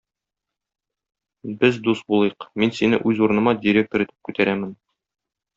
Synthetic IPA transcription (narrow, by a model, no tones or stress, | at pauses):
bɘzd̪ust̪̚bulˠɤ̆jɤqminsinɘ̰ʔʉzuɾɤ̆nɤ̆mɑdʲɪɾʲe̞k̚t̪oɾit̪ɘ̥p̚kʉt̪æɾæmɘn